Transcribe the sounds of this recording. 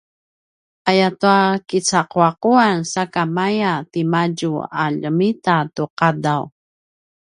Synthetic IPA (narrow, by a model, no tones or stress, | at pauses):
ajatuakit͡saqwaquansakamajat̪imaɟua̰ʎəmitat̪uqadaw